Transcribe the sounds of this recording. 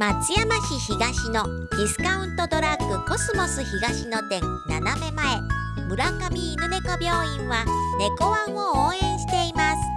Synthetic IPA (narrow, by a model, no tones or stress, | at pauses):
mat͡sɨjamaçiçiɡaɕino̞ | d̪̥ʲisɨ̥kaɯ̟̃nt̪o̞d̪o̞ɾakːɯ̟ko̞sɨmosɨçiɡaɕino̞t̪ẽ̞n | naname̞mae̞ | mɯ̟ɾakamʲiːnɯne̞kobʲo̞ːĩɰ̃βane̞ko̞βãɰ̃ooːẽ̞ɰ̃ɕi̥t̪e̞imasɨ̥